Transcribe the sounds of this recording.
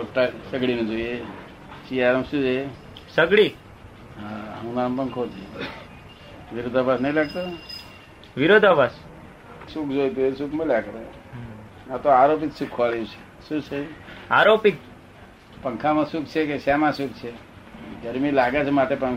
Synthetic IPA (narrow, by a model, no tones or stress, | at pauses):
ʈsəɡɽimẽd͡ʒoie | t͡ʃiaɾmsũd͡ʒoe | səɡɽi | ɦaɦə̃ũnampəŋkʰoːt̪e | ʋɪɾod̪ʱabasnɐɦĩlaːɡt̪o | ʋɪɾod̪ʱabas | sukd͡ʒojt̪eesukʰmelaɡɾe | nat̪oaɾop̬iksukʰːʋaliut͡ʃʰe̥ | sũt͡ʃʰeaɾopik̚ | pəŋkʰamãsuk̚t͡ʃʰekesaːmãsukt͡ʃʰe | ɡəɾmilaːɡat͡ʃʰemaʈepə